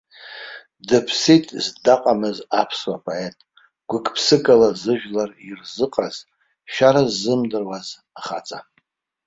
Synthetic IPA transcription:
dɨpʰsitʰʼzdaqʼamɨzapʰswapʰʼoetʼ | ɡ̥ʷʊkʰʼpʰsɨkʼalazɨʒᶣlarirzɨqʼaz̥ | ʃᶣaɾazɨmdɨrwaz | aχa̰t͡sʼa

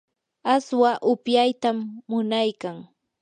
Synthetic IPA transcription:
aswaʔʊpjajt̪amːʊnajkaŋ

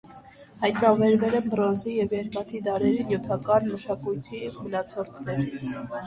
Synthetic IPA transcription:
hɑjt̪nɑvɛɾvɛlɛnbɾɔzijɛvjɛɾmɑt̪ʰid̪ɑɾɛɾinjut̪ʰɑkɑnməʃɑkujt̪ʰimənɑt͡sʰɔɾt̪ʰnɛɾ

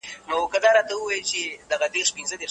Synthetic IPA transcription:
nokəd̪aɾat̪aəwajəlt͡ʃed̪aɣad̪eɾʂpinzəd̪eɾ

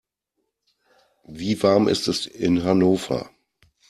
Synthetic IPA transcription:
viːvaɐmʔɪ̰stɛsɪnɦanoːfɐ̰

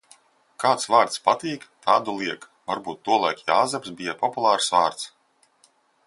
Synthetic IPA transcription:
kaːt̪svaːɾt̪spat̪iːkt̪ʰaːd̪ulˠiɛk | vaɾbuːt̪ːuɔlˠajkʲaːzɛpsbijapɔpulˠaːɾsvaːɾt̪s

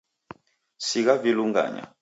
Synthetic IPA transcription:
siɣaviluŋɡa̰ɲa̰

